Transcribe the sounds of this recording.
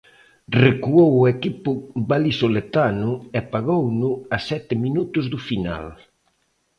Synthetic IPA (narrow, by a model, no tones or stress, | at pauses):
rekuowʊekipʊbalisolet̪anʊɛpaɣownʊasɛt̪ɪminut̪ʊzðʊfina̰l